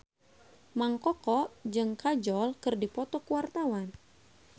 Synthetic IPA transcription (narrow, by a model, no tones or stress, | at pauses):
maŋkɔkɔʔd͡ʒɨŋkad͡ʒɔlkɨrdipɔt̪ɔkuwart̪awan